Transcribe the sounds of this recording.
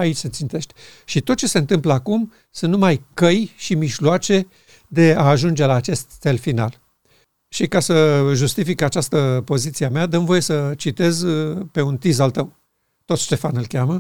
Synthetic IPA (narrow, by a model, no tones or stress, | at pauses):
ait͡ʃʲse̞t̪sint̪e̞ʃt̪e̥ʃit̪o̞t̪̚t͡ʃe̞se̞ɨnt̪ɨmpləakum | sunnumajkəjʃimiʃloat͡ʃe̞ | d̪e̞aːʒund͡ʒe̞laːt͡ʃe̞st̪ːe̞lfina̰l | ʃikasəʒust̪ifikat͡ʃast̪əpo̞zit̪siamead̪əmvo̞je̞sət͡ʃit̪e̞zpe̞unt̪izalt̪əw | t̪o̞t̪ʃt̪e̞fanɨlkʲamə